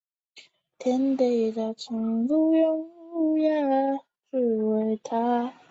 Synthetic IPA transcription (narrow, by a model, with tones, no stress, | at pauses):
t̪ʰjɛ˧˥nt̪e˨˩ɪd̪ə˧˩t͡sʰʊ˨˧˩ŋd͡zu˥˧jʊ˥ŋu˥˧ja˥˩˦ | ʈ͡ʂɻ̩˥˩we˨˩ɪt̪ʰa˥